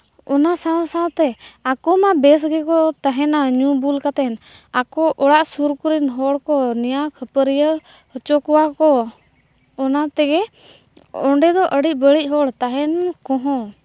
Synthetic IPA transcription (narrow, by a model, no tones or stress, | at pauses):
ɔnasasãwt̪ɛakɔmabɛs̬ɡɛkɔt̪aɦɛnaɲubulkat̪ɛnakɔʔɔɽaʔsuɾkuɾinɦɔɽkɔnɛjakʰəpəɾijə | hət͡ʃɔkɔwakɔ | ɔnat̪ɛɡɛ | ɔɳɖɛd̪ɔʔəɽic̚ˀbəɽic̚ˀɦɔɽt̪aɦɛnkɔ̃ɦɔ̃